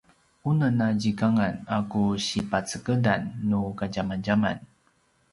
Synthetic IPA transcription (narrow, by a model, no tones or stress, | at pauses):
unənaɟikaŋanakuɕipat͡səkədanːukaɟamanɟama̰n